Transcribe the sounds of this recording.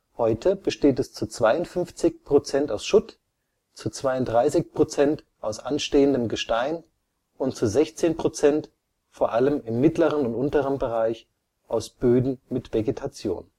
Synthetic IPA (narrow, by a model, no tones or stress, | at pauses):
hɔʏtʰəb̥əʃteːtɛst͡sut͡sv̥aɪʊntfʏnft͡sɪçpʁ̥ot͡sɛntaʊsʃʊt | t͡sut͡sv̥aɪʊntd̥ʁaɪsɪçpʁ̥ot͡sɛnt | ʔaʊsʔanʃteːəndəmɡəʃtaɪn | ʊntt͡suzɛçt͡seːnpʁ̥ot͡sɛnt | foːɐʔaləmɪmːɪtləʁənʊntʔʊntəʁənbəʁaɪç | ʔaʊsb̥øːdn̩mɪtv̥eɡetʰat͡sjo̰ːn